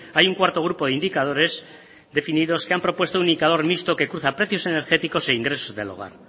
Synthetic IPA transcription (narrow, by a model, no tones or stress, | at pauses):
ajuŋkwaɾt̪o̞ɣ̞ɾupo̞ðeind̪ikað̞o̞ɾe̞z | ðe̞finiðo̞skeampɾo̞pwe̞st̪ounind̪ikaðo̞ɾmist̪o̞ke̞kɾuθapɾe̞θjo̞se̞ne̞ɾxe̞t̪iko̞seiŋɡɾesozðe̞̰lo̰ɣ̞a̰ɾ